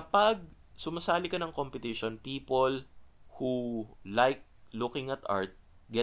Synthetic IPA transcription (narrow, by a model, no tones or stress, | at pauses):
kɐpɐɡ̚ | sʊmɐsaːlɪkɐnɐŋkompɪt̪ɪʃonpiːpolhulajk̚lʊkɪŋɐt̪a̰ɹt̪̚ | ɡɛ